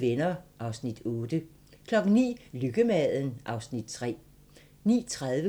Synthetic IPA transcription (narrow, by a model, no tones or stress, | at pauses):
ʋenɐʔɑ̈ʊsnid̥ɔ̽ːd̥ə | kʰlɒ̽ɡ̥n̩nḭːlyɡ̥əmɛð̰ˠn̩ʔɑ̈ʊsnid̥̚t͡sʰʁɛ̰ː | nḭːt͡sʰʁaðˠʋə